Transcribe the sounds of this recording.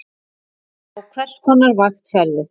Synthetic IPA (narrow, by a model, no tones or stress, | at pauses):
ɔɣkʰvɛr̥shɔnːaɾvaxt̪fɛɾðʏ